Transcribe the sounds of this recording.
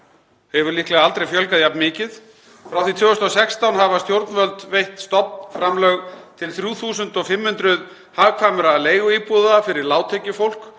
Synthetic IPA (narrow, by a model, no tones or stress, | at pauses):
hɛvʏɾlihklɛɣaalt̪ɾejfjœlkaðjapnmɪːcɪð | fɾawθit̪vʏːɣʏst̪ɔsɛkst̪awnɦavast̪jowɾt̪nvœlt̪vejht̪st̪ɔpnfɾamlœɣt̪ʰɪlθɾjuːθuːsʏnt̪ɔɣfɪmːhʏnt̪ɾʏð | haːvkʰvaːmʏɾaleːjɣʏiːpuðafɪɾɪɾlaːwt̪ʰecɪfowl̥k